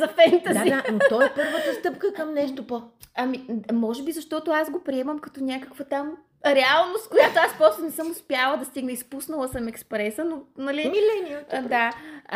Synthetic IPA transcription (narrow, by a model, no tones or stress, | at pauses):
zɐfɛnt̪əzaianot̪ɔɛpɤɾvət̪əst̪ɤpkəkɐmnɛʃt̪opə | ɐmimɔʒɛbizɐʃt̪ɔt̪oasɡopɾiɛmɐmkɐt̪onʲakəkvət̪am | ɾɛalˠnost̪̚kojat̪oaspɾɔst̪ʊnɛsɤmʊspjalˠəd̪ɐst̪iɡnəispusnɐlˠɐsɐmɛkspɾɛsənonɐlimilɛniəd̪a